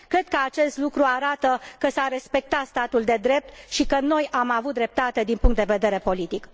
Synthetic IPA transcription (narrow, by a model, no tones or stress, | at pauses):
kɾe̞d̪̚kəat͡ʃe̞st̪lukɾuaɾat̪əkəsaɾe̞spe̞k̚t̪at̪st̪at̪uld̪e̞d̪ɾe̞p̚t̪ʃikəno̞jʔamavut̪̚d̪ɾe̞p̚t̪at̪e̞d̪inpuŋkt̪d̪e̞ve̞d̪e̞ɾe̞po̞lit̪ik